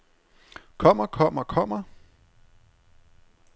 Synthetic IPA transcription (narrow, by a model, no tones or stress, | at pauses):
kʰɒ̽m̰ɐkʰɒ̽m̰ɐkʰɒ̽m̰ɐ